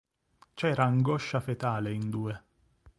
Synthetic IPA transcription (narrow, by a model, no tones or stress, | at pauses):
t͡ʃɛːɾaːŋɡɔʃːafet̪aːleind̪uːe